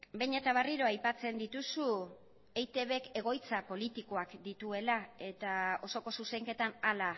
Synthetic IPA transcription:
be̞jɲe̞t̪aβariɾo̞ajpat͡se̞nd̪it̪usu | ejt̪e̞βe̞ke̞ɣ̞o̞jt͡sapo̞lit̪iko̞akd̪it̪ue̞lae̞t̪ao̞so̞ko̞suse̞ŋke̞t̪anala

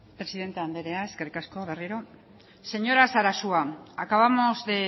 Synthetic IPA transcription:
pɾe̞siðe̞nt̪eand̪eɾe̞ae̞skerikasko̞βe̞riɾo̞ | se̞ɲo̞ɾasaɾasuaakaβamo̞zðe

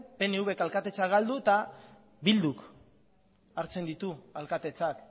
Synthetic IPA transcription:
pe̞neuβe̞kalkat̪e̞t͡saɡald̪ut̪a | bild̪uk | aɾt͡se̞nd̪it̪ualkat̪e̞t͡sak

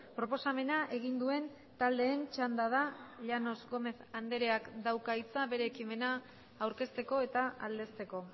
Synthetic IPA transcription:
pɾo̞po̞same̞naʔe̞ɣ̞ind̪ue̞n | t̪ald̪e̞ːnt͡ʃand̪aðaʎano̞zɣo̞me̞θand̪e̞ɾeakd̪awkait͡saβe̞ɾe̞ːkime̞naː | wɾke̞st̪e̞ko̞e̞t̪aald̪e̞st̪e̞ko̞

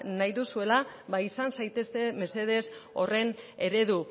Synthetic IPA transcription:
najðusue̞laβaisansajt̪e̞st̪e̞me̞se̞ð̞e̞so̞re̞ne̞ɾe̞ðu

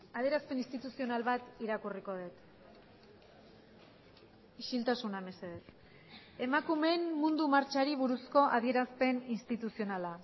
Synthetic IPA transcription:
að̞eɾaspe̞ninst̪it̪usio̞nalβat̪iɾakuriko̞ð̞et̪ | iʃilt̪asunaeme̞se̞ðe̞s | e̞makume̞nmund̪umaɾt͡ʃaɾiβuɾusko̞ʔaðie̞ɾaspe̞ninst̪it̪usio̞nala

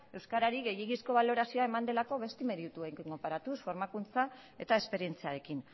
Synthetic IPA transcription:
e̞wskaɾaɾiɣe̞jiɣisko̞β̞alo̞ɾasioae̞mand̪e̞lako̞βe̞st̪ime̞ɾiut̪uejŋkŋɡo̞paɾat̪usfo̞ɾmakunt͡sa | e̞t̪ae̞spe̞ɾie̞nt͡siaɾe̞kin

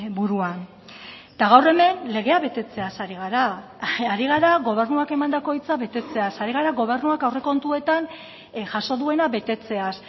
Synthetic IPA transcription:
buɾuan | t̪aɣ̞awre̞me̞nle̞ɣ̞e̞aβe̞t̪e̞t͡se̞asaɾiɣaɾa | aɾiɣaɾaɣo̞β̞e̞rnuake̞mand̪ako̞it͡saβe̞t̪e̞t͡se̞asaɾiɣ̞aɾaɣo̞β̞e̞ɾnuakawre̞ko̞nt̪ue̞t̪an | ʝaso̞ðue̞naβe̞t̪e̞t͡se̞as

